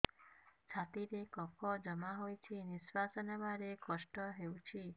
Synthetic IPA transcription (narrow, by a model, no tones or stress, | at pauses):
t͡ʃʰat̪iɾekɔpʰɔd͡ʒəmaɦojt͡ʃʰiniswasɔnəbaɾekɔʃʈɔɦewt͡ʃʰi